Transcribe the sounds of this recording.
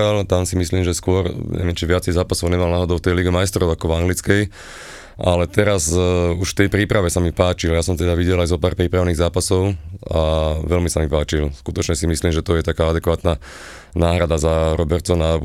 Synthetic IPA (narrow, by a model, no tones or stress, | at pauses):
alt̪amsimisliːmʒɛskʊɔɾɲʔɛ̰ʋɪɛmt͡ʃiʋɪat͡sɛjzaːpasɔʊɲɛmalnaːɦɔd̪ɔʊt̪ɛjliɡɛmajst̪ɾɔʊakɔvaŋɡlit͡skɛj | ʔalɛt̪ɛɾazuʃft̪ɛjpɾiːpɾaʋɛsamipaːt͡ʃiljasɔmt̪ɛd̪aʋiɟɛlajzɔpaːɾpɾiːpɾaʊniːɣzaːpasɔʊaʋɛlmisamipaːt͡ʃilskut̪ɔt͡ʃɲɛsimisliːmʒɛt̪ɔjɛt̪akaːad̪ɛkʋaːt̪na | naːɦɾad̪azaɾɔbɛɾt͡sɔna